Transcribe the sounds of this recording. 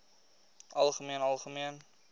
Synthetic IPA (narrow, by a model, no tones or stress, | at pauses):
ʔɐlˠχəmiənɑlˠχəmiən